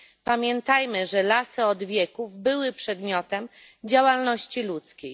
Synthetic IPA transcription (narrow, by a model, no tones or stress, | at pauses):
pamʲjɛnt̪ajmɘʐɛlasɘɔd̪vʲjɛkuvbɘwɘpʂɛd̪mʲjɔt̪ɛm | d͡ʑawalnɔɕt͡ɕilut̪skʲej